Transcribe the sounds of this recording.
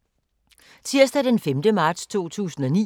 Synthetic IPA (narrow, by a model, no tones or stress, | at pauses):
t͡sʰiɐsd̥æd̥enfemd̥əmɑ̈ːd̥st͡sʰo̝̰ːt͡sʰṵːsn̩ɒ̽nḭː